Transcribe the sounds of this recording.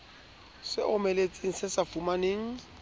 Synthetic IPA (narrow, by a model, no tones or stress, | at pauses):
sɪʔʊmelet͡sʼiŋ̩sɪsafumaneːŋ̩